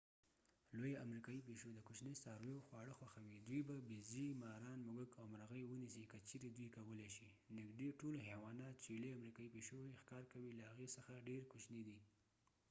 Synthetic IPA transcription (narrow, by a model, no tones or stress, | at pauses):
lojeʔamɾikɑjip̬eʃod̪əkʊt͡ʃnesɑɾwewxwɑɽəxwaxawid̪wujbabizimɑɾɑnmʊɡəɡawmɾaɣəjwənisikət͡ʃeɾed̪wujkawəleʃi | nɪɡd̪eʈolɦewɑnɑt̪t͡ʃelejamɾikɑjipeʃojexkɑɾkawilahaɣesəxaɖeɾkʊt͡ʃnid̪i